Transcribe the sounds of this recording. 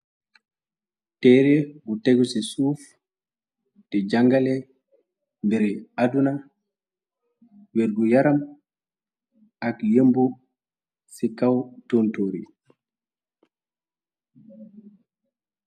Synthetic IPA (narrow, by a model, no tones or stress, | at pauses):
tɛːɾɛɡuteɡusisuf | dɛd͡ʒaŋɡalɛ | mbɛɾɛaduna | weɾɡujaɾam | akjembu | sikːawtontoːɾḭ